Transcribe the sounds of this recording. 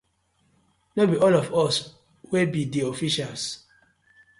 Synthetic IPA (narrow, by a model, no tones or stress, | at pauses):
nobiɔlɔfɔs | webidiofiʃals